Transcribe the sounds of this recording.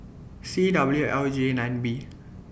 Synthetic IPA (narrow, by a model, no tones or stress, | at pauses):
sidabljuʔɛld͡ʒenajnbi